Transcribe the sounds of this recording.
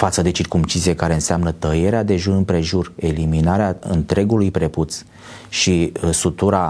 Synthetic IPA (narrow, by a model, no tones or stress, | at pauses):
fat̪səd̪e̞t͡ʃirkumt͡ʃiziekaɾe̞ɨnseamnət̪əje̞ɾead̪e̞ʒurɨnpɾe̞ʒure̞liminaɾeaɨ̰nt̪ɾe̞ɡulujpɾe̞put̪s | ʃisut̪uɾa